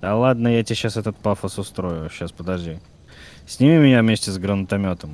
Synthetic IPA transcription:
ɐlˠad̪nəjatʲeɕasɛt̪ət̪̚pafəsʊst̪ɾojʊɕːaspəd̪ɐʐdʲi | sʲnʲɪmʲimʲɪnʲavmʲesʲtʲɪzɡɾənt̪ɐmʲot̪əm

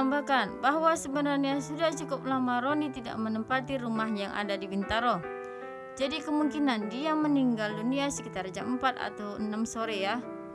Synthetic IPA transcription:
ambakanbaɦwasəbənarɲasudaht͡ʃukʊp̚lamaɾonit̪ida̰ʔmənəmpat̪iɾumaɦjaŋʔa̰dadiwint̪aɾo | d͡ʒadikəmuŋkinandiaməniŋɡalduniasəkit̪ard͡ʒaməmpat̪̚a̰t̪awənamsoɾeja

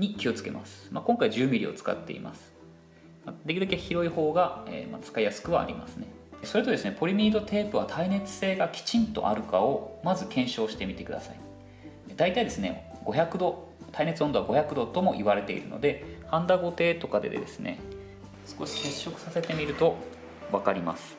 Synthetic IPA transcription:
ɲ̟ikʲio̞t͡sɨ̥ke̞̰mʔa̰sɨ̥makõ̞ŋkaiʑɨːmʲiɾʲḭo̰t͡sɨ̥ka̰t̪ːe̞̰ḭma̰sɨ̥ | mad̪ekʲiɾɯd̪okʲeçiɾo̞iho̞ːɡaḛːma̰t͡sɨ̥kaijasɨ̥kɯ̟βa̰ːɾʲḭma̰sɨne̞so̞ɾet̪o̞d̪e̞sɨnepo̞ɾʲimʲiːd̪o̞t̪ʰe̞ːpɯ̟βat̪ʰaine̞t͡sɨ̥se̞ːɡakʲi̥t͡ɕĩnt̪o̞̰ʔa̰ɾɯ̟kao̞mazɨkẽ̞ɰ̃ɕo̞ːɕi̥t̪e̞mʲit̪e̞kɯ̟d̪a̰sai | d̪ait̪aid̪e̞sɨnḛɡ̥o̞çʲakɯ̟d̪o̞ | t̪ʰaine̞t͡sɨond̪o̞βaɡo̞çʲakɯ̟d̪o̞t̪o̞mo̞ʔiβaɾe̞t̪e̞̰ḭɾɯ̟no̞̰d̪e̞hãnd̪aɡo̞t̪e̞ːt̪o̞kad̪e̞d̪e̞̰d̪e̞̰sɨne̞̰ | sɨ̥ko̞ɕi̥se̞ɕːo̞kɯ̟sase̞t̪e̞mʲiɾɯ̟t̪o̞ | βakaɾʲimasɨ̥

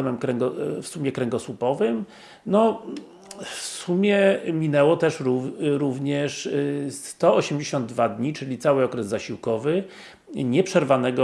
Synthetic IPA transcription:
ɛmɛmkɾɛŋɡɔfsumʲɛkɾɛŋɡɔswupɔvɘm | nɔ | fsumʲjɛmʲinɛwɔt̪ɛʂɾuɾuvɲɛʂst̪ɔɔɕɛmd͡ʑeɕɔnd̪̚d̪vad̪ɲit͡ʂɘlʲit̪sawɘɔkɾɛzːaɕiwkɔvɘ | ɲɛpʂɛɾvanɛɡɔ

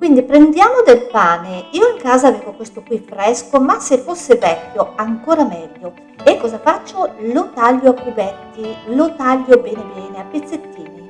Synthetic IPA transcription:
kwind̪ipɾend̪jaːmod̪elpaːneiːoiŋkaːzaːveːvokwest̪okwifɾɛskomasːefːosːevɛkʲːoaŋkoːɾamɛːʎːo | ekːɔːzafat͡ʃːolot̪aʎːoapːubɛt̪ːilot̪aʎːobɛːnebɛːneapːet̪sːet̪ːiːni

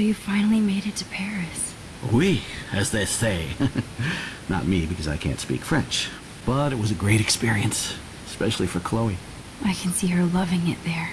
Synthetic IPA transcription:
jɨfãɪ̃nl̩ˠimeɪɾɨtʰɨ̥pʰɛɹɨs | wiɨzðeɪseɪ | nə̰t̚mibɨkʰʌzaɪkʰæ̰̃ntspḭkfɹɛ̃nt͡ʃ | b̥ʌɾɨt̚wʌzɨɡɹeɪɾɨkspɪɹiɨ̃ns | ɨspɛʃl̩ˠifə˞kʰl̥oʊi | ʔaɪkʰn̩siə˞lʌvɪ̃ŋɪ̰t̪̚ðə˞

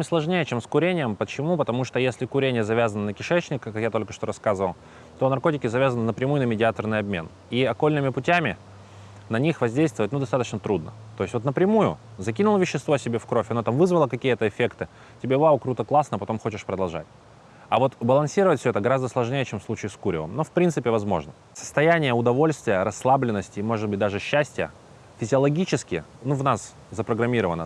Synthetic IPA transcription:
mʲɪslˠɐʐnʲejət͡ɕe̞mskʊɾʲenʲɪjəmpət͡ɕɪmupət̪ɐmuʂt̪ojesʲlʲɪkʊɾʲenʲɪjəzɐvʲazənənəkʲɪʂɛt͡ɕnʲɪkkɐkjat̪o̞lʲkə̥ʂt̪o̞ɾɐskazɨvəlˠ | t̪o̞nɐrko̞tʲɪkʲɪzɐvʲazənɨnəpɾʲɪmujʊnəmʲɪdʲɪat̪ərnɨjɐbmʲḛn | iɐko̞lʲnɨmʲɪpʊtʲæmʲɪ | nɐnʲixvɐzʲdʲejst̪vət̪̚ʲnud̪ɐst̪at̪ət͡ɕnət̪ɾud̪̚nə̰t̪oɪsʲt̪ʲvot̪nəpɾʲɪmujʊ̰zɐkʲinʊlˠəvʲɪɕːɪst̪vosʲɪbʲe̞fkɾo̞fʲɐnot̪amvɨzvəlˠəkɐkʲijət̪əɪfʲekt̪ɨ | tʲɪbʲebavəkɾut̪əklˠasnəpɐt̪o̞mxo̞t͡ɕɪʂpɾəd̪ɐlˠʐa̰tʲ | ɐvo̞t̪bəlˠɐnsʲiɾəvətʲfsʲøɛt̪əɡɐɾazd̪əslˠɐʐnʲejət͡ɕemfslˠut͡ɕɪɪskuɾʲɪ̰və̰mno̞fpɾʲint̪sɨpʲɪvɐzmo̞̰ʐnə | sə̥st̪ɐjænʲɪjəʊd̪ɐvo̞lʲst̪vʲɪjəɾɐsːlˠablʲɪnːəsʲtʲɪːmo̞ʐɨd̪̚bɨt̚ʲd̪aʐɨɕːæsʲtʲɪjə̰ | fʲɪzʲɪɐlˠɐɡʲit͡ɕɪskʲɪ | nuvnas | zəpɾəɡɾɐmʲiɾəvənːə

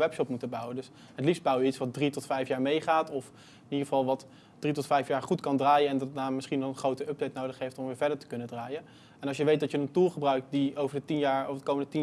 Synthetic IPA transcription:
ʋɛpʃɔpmutəbʌwədɵs | ɦətlifst̚bʌwjəitsʋɑt̚dritɔtfɛjfjaːɹmejχaːtɔf | niχəvɑlˠʋɑt | d̥ritɔtfɛjfjaːɹχutkɑndraːjəɛndɑdanmɪsχinɔχənχrowtəɵb̚dejtnowdəχɦejftɔmʋɪːɹvɛɹdəɹtə̥kɵnədraːjən | ɛnɑlˠʃjəʋejt̚dɑtjənəntulˠχəbrœɥk̚tdiowvəɹdətinjaːɹovədəkowməndətin

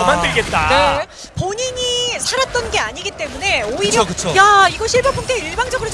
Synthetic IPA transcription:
omandɯɭɡe̞t̚t͈ane | poɲiɲisʰaɾat̚t͈ʌnɡe̞aɲiɡit͈e̞mune̞oiɾokɯt͡ɕʰojaiɡʌɕʰiɭbʌpʰoŋtʰeiɭbaŋd͡ʑʌɡɯɾo

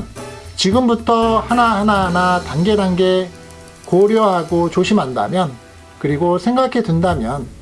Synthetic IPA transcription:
t͡ɕiɡɯmbutʰʌhanahananatanɡe̞ɾanɡe̞ | koɾjʌɦaɡot͡ɕoɕʰimɦanda̰mjʌn | kɯɾiɡosʰe̞ŋɡakʰe̞dɯndamjʌn

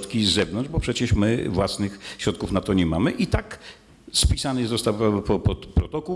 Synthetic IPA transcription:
t̪kʲizɛvnɔnd͡ʑbɔpʂɛt͡ɕɛʂmɘvwasnɘxɕɾɔt̪̚kufnat̪ɔɲɛmamɘʔit̪ak | spʲisanɨzɔst̪awapɔpɔt̪pɾɔt̪ɔkuw

